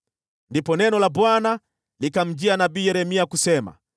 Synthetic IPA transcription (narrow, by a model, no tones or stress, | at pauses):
ndipɔnɛnɔlabwana | likam̩d͡ʒianabiːjɛɾɛmiakusɛma̰